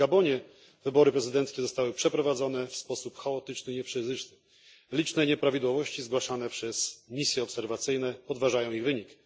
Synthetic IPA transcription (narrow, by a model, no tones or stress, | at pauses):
ɡabɔɲɛ | vɘbɔɾɘpɾɛzɘd̪ɛnt̪skʲɛzɔst̪awɘpʂɛpɾɔvad̪zɔn̪ɛfspɔsupxaɔt̪ɘt͡ʂnɘiɲɛpʂɘzɘt͡ʂnɘ | lʲit͡ʂnɛɲɛpɾavʲid̪wɔvɔɕt͡ɕizɡwaʂanɛpʂɛsmʲisʲjɛɔpsɛɾvat̪sɘjnɛpɔd̪vaʐajɔ̃w̃iɣvɘɲik